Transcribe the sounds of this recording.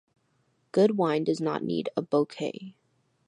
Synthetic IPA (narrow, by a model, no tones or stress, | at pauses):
ɡ̥ʊd̚wãɪ̃ndʌznə̰ʔⁿnḭɾəboʊkʰeɪ